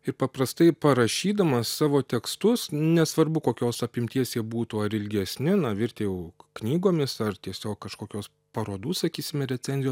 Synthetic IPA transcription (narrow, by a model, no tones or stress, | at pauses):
ɪɾpɐpɾɐst̪ɐɪpɐɾɐʃʲiːd̪ɐmɐssɑːʋoːt̪ʲɛkst̪ʊsnʲɛsʋɐɾbʊkoːkʲoːsɐpʲɪmʲt̪ʲiɛsʲɛbuːt̪uːɐɾɪlʲɡʲɛsʲnʲɪnɐʋʲɪɾʲt̪ʲeːjɛʊknʲiːɡoːmʲɪsɐrt̪ʲiɛsʲoːkkɐʃkoːkʲoːs | pɐɾoːd̪uːssɐkʲiːsʲɪmʲɛɾʲɛt͡sʲɛnʲzʲɪjoː